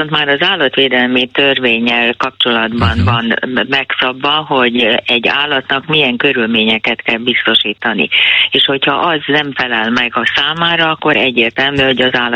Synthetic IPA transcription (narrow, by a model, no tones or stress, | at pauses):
ont̪maːɾɒzaːlːɒt̪ʋeːd̪ɛlmit̪ørveːɲːɛlkɒp̚t͡ʃo̞lɒd̪bɒnvɒnmɛksɒbvɒɦo̞ɟɛɟːa̰ːlːɒt̪nɒkmijɛŋkø̞ɾylmeːɲɛkɛt̪kɛlbist̪o̞ʃiːt̪ɒnḭeːʃho̞chɒʔɒznɛɱfɛlɛlmɛɡɒsaːmaːɾɒɒkːo̞ɾɛɟːeːrt̪ɛlmyːho̞ɟɒzaːlː